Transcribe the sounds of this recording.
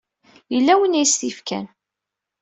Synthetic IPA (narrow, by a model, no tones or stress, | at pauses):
jəlːæwənæjsθifkæ̰n